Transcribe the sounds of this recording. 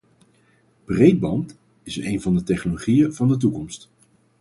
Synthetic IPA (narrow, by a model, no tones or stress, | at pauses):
b̥rejd̚bɑnt | ɪsnejnvɑndətɛχnoloχijəvɑndət̬ukɔmst